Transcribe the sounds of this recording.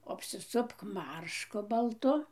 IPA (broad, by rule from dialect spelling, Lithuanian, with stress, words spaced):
ɐpʲsʲɪˈsʊpk ˈmɐrʃkʊ bɐlˠˈtʊ